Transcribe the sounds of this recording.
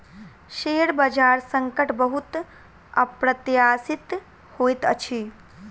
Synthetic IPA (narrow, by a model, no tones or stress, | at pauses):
ʃeɽbəd͡ʒaːɾsəŋkəʈʰbəɦut̪ | əpɾət̪jaːsit̪ | hojt̪ə̰t͡ʃʰi